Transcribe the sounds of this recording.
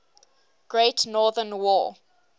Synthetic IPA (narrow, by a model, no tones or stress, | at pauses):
ɡ̥ɹetnɔːðənwɔː